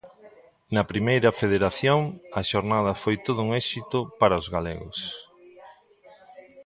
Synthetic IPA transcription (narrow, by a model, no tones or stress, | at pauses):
nɐpɾimejɾɐfeð̞eɾaθjoŋɐʃoɾnað̞ɐfojt̪oð̞ʊuŋɛʃit̪ʊpaɾɐʊzɣalḛɣʊ̰s